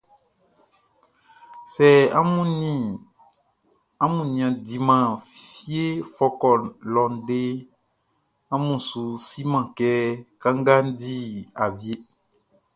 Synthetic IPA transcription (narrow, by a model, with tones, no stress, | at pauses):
sɛ˨a˦mũ˦˨ | a˦mũ˨nĩ˨ã˨di˨mã˨fi˦e˦fɔ˦kɔ˨lɔ˨n˨ɖe˦ | ã˦mũ˨su˨si˦mã˨kɛ˦ka˦ŋ˦ɡa˦n˦di˦a˨vi˦e˦